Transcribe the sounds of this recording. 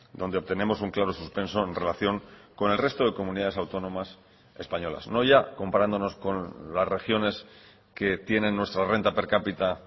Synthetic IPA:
d̪o̞nd̪eo̞β̚t̪e̞ne̞mo̞suŋklaɾo̞suspe̞nso̞e̞nre̞laθjo̞ŋko̞ne̞lre̞st̪o̞ðe̞ko̞mũniðað̞esawt̪o̞nõ̞mas | e̞̰spaɲo̞la̰sno̞ʝako̞mpaɾand̪o̞no̞sko̞nlasre̞xjo̞ne̞s | ke̞t̪je̞nẽ̞nːwe̞st̪ɾare̞nt̪ape̞ɾkapit̪a

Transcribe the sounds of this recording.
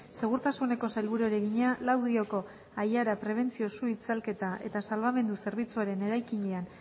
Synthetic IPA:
se̞ɣ̞uɾt̪asune̞ko̞sajlβuɾueɾeɣiɲalawðio̞ko̞ | ajaɾapɾe̞β̞e̞nt͡sio̞suit͡salke̞t̪aʔe̞t̪asalβame̞nd̪use̞ɾβ̞it͡suaɾe̞ne̞ɾajkiɲean

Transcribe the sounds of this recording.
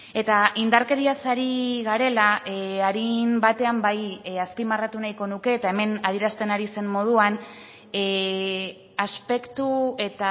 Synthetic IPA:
e̞t̪aʔind̪aɾke̞ɾiasaɾiɣaɾe̞laaɾimbat̪e̞ambajaspimarat̪unajko̞nuke̞ːt̪ae̞me̞nað̞iɾast̪e̞naɾise̞mmo̞ð̞uan | aspe̞kt̪ue̞t̪a

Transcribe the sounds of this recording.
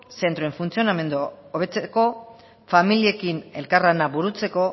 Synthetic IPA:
se̞nt̪ɾoe̞ɱfunt͡sio̞name̞nd̪u | oβe̞t͡seko̞ | familie̞kine̞̰lkaranaβuɾut͡se̞ko̞

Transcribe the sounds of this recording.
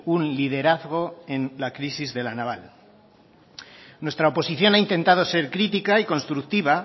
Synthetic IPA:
unliðe̞ɾaθɣ̞o̞e̞nlakɾisizðe̞lanaβal | nwe̞st̪ɾaopo̞siθjo̞naint̪e̞nt̪að̞o̞se̞ɾkɾit̪ikaiko̞nst̪ɾukt̪iβa

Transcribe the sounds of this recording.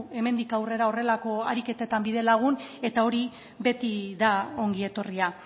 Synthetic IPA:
e̞me̞nd̪ikawre̞ɾao̞re̞lako̞aɾike̞t̪et̪ambiðe̞laɣ̞une̞t̪ao̞ɾi | βe̞t̪iðao̞ŋɡie̞t̪o̞ria

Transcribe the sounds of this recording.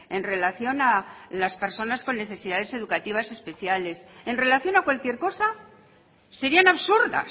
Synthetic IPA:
e̞nre̞laθjo̞nalaspe̞ɾso̞nasko̞nːe̞θe̞siðað̞e̞se̞ðukat̪iβase̞spe̞θjale̞se̞nre̞laθjo̞nakwalkje̞ɾko̞sa | se̞ɾianaβsuɾða̰

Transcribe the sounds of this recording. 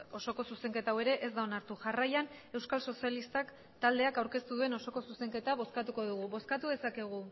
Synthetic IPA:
o̞so̞ko̞suse̞ŋke̞t̪awe̞ɾe̞ʔezd̪ao̞naɾt̪uʝarajane̞wskalso̞sialist̪ak | t̪ald̪e̞akawɾke̞st̪uðue̞no̞so̞ko̞suse̞ŋke̞t̪aβ̞o̞skat̪uko̞ð̞uɣ̞uβo̞skat̪uðe̞sake̞ɣ̞u

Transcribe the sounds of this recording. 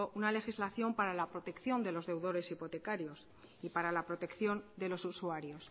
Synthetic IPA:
oʔunale̞xizlaθjo̞mpaɾalapɾo̞t̪e̞kθjo̞nd̪e̞lo̞zðe̞wðo̞ɾe̞sipo̞t̪e̞kaɾjo̞s | ipaɾalapɾo̞t̪e̞kθjo̞nd̪e̞lo̞susuaɾjo̞s

